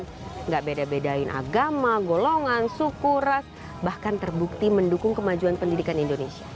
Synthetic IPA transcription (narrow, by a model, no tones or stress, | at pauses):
n | ŋɡaʔbedabedaɪnʔa̰ɡamaɡoloŋansukuras | bahkant̪ərbuk̚t̪iməndukʊŋkəmad͡ʒuanpəndidikanindonesia